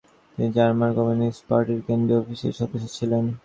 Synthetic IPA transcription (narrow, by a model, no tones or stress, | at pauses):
t̪inid͡ʑaɾmaɾɡɔminisʈpaɾʈiɾkend̪ɾeɔfiʃḛɾʃɔb̪eʃot͡ɕʰilen